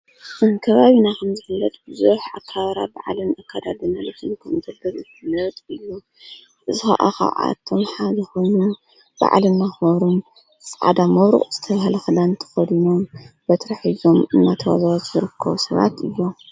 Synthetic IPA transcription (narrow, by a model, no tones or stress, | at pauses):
kʰɐβaβinakʰɐmzɨfɨlːɐt̪ʼbɨzuħʔakʰːaβɾa̰baʕlɨnakʰːad̪ad̪ɨnalɐt̪ʰɨnkʰɐmzɐbɐβɨtɨlɐt̪ʼɨjːu | ʔɨzɨxa̰ʔa̰xa̰ʕa̰t̪ʰːo̞mħazɐxonu | b̥a̰ʕlɨnːaxɐɾum | sʼʕa̰d̪amɐβɾṵχʼz̥ɨt̪ʰɐβahlɐxɨlant̪ʰɐ̥xɐd̪inombɐt̪ʰɾɐħizo̞mɨnːat̪ʰɐwa̰zawat̪zɨɾɨkʰːɐβusɐβa̰t̪ɨjːo